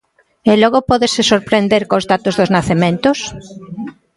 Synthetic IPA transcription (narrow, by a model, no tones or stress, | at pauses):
elɔɣ̞opɔðesesoɾpɾend̪eɾkozðat̪ozðoznaθemẽnt̪ʊs